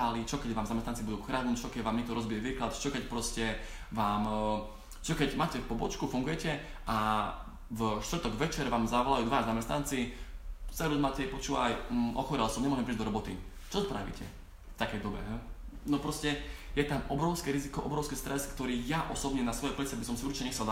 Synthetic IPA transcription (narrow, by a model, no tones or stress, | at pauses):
alit͡ʃɔkɛɟʋaːmzamɛst̪ant͡sibud̪uːxɾaːd̪ut͡ʃɔkɛɟʋaːmɲikt̪ɔɾɔzbijɛʋiːklat̪t͡ʃɔkɛcpɾɔscɛ | ʋaːm | t͡ʃɔkɛɟmaːcɛfpɔbɔt͡ʃkufuŋɡujɛcɛ | ʔa | vʃt̪ʋr̩t̪ɔɡʋɛt͡ʃɛɾʋaːmzaʋɔlajuːd̪ʋazamɛst̪nant͡si | sɛɾuzmaːcɛipɔt͡ʃuːʋa̰jʔɔxɔɾialsɔmɲɛmɔʒɛmpɾiːd͡ʒd̪ɔɾɔbɔt̪i | t͡ʃɔspɾaʋḭcʰɛ | ft̪akɛjd̪ɔbɛ̰ɦɛnɔpɾɔscɛjɛt̪amɔbɾɔʊskɛɾizikɔʔɔbɾɔʊskɛst̪ɾɛskt̪ɔɾiːjaʔɔsɔbɲɛnasʋɔjɛplit͡sɛabis̬ɔmsiuɾt͡ʃi̥cɛɲɛxt͡sɛl